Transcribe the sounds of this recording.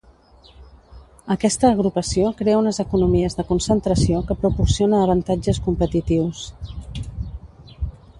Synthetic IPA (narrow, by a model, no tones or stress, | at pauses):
əkɛst̪əːɣ̞ɾupəsiokɾeəunəzəkunumiəzðəkunsənt̪ɾəsiokəpɾupursionəːβ̞ənt̪ad͡ʒəskumpət̪it̪iws